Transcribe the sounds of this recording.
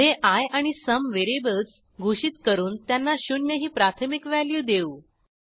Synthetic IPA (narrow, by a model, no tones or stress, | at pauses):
eʔajaɽ̃isəmʋeɾibəlt͡s | ɡʱuʂiːt̪kəɾuːnt̪janːaɕunjəɦiːpɾat̪ʰəmikʋæljuːd̪eu